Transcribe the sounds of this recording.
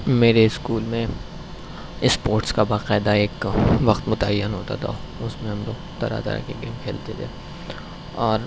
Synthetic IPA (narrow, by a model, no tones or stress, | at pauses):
meːɾeɪskuːlmẽ | ɪspoːɾʈskabaːqɛːd̪aeːkʋɐqt̪mʊt̪ajːənɦoːt̪a̰t̪ʰa̰ | ʊsmẽɦɐmlo̰ːɡ̚t̪ɐ̰ɾa̰t̪ə̰ɾa̰keɡeːmkʰeːlt̪et̪ʰeː | ɔːɾ